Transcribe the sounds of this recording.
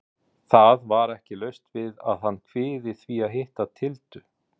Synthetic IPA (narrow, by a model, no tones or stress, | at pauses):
θaðvaɾɛhcɪlœɥst̪vɪða̰ðhanːkʰvɪːðɪθviaðɦɪht̪at̪ʰɪlt̪ʏ